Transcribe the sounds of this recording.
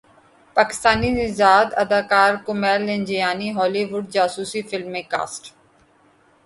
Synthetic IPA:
paːkɪ̥st̪aːninɪzaːd̪ɐ̰d̪aːkaːɾkʊmɛːlːɪ̃nd͡ʒijaːniɦɔːliʋʊɖ̚d͡ʒaːsuːsifɪlmːẽːka̰ːsʈ

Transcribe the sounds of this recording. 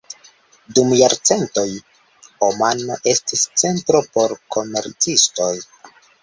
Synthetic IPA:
dumjaɾt͡se̞nto̞j | homanoʔe̞stist͡se̞ntɾo̞po̞ɾkʰo̞me̞ɾt͡sisto̞j

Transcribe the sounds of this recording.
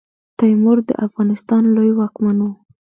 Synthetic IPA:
t̪ajmʊɾd̪ə̰ʔafɣɑnɪst̪ɑnlojwɑkmano

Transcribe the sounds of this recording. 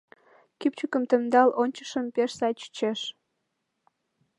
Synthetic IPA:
kipt͡ɕykə̆mt̪ə̆md̪ɑlʔonʲt͡ɕə̥̆ʃəmpeʃsɑjt͡ɕt͡ɕeʃ

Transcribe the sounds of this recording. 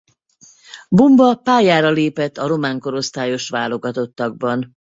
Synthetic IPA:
bombɒpaːjaːɾɒleːpɛt̪ːɒɾo̞maːŋko̞ɾo̞st̪aːjo̞ʃʋaːlo̞ɡɒt̪o̞t̪ːɒɡ̚bɒn

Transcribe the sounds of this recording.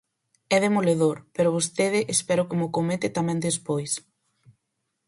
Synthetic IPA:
ɛðemoleðoɾpeɾʊβ̞ost̪eð̞ɪʔespɛɾʊkɪmʊkomet̪ɪt̪amɛ̃nd̪espojs

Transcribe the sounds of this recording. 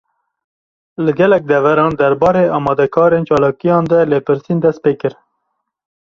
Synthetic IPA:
lɨɡɛlɛk̚d̪ɛvæɾɑːnd̪ɛɾbɑːɾeːɑːmɑːd̪ɛkʰɑːɾent͡ʃɑːlɑːkijɑːnd̪ɛleːpʰɨɾsiːnd̪ɛst̪̚peːkɨɾ

